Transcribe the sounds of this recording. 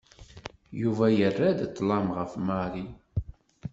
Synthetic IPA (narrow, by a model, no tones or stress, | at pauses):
juvæjərːæd̪t̪ˤːlɑmʁəfmaɾi